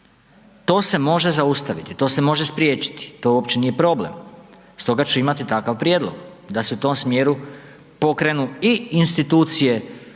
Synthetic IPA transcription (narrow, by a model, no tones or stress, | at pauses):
t̪o̞ːse̞mo̞ʒe̞zaust̪aʋit̪it̪o̞ːse̞mo̞ʒespɾjeːt͡ɕi̥t̪i̥t̪o̞uopt͡ɕe̞nije̞pɾo̞blḛm | st̪o̞ɡat͡ɕuimat̪it̪akaʋpɾjeːd̪lˠo̞̰ɡ | d̪aseut̪o̞msmje̞ɾu | po̞kɾe̞nuiinst̪it̪uːt̪sije̞